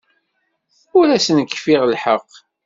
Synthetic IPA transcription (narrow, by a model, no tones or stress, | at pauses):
ʊɾæsnəkːfiʁlħəqː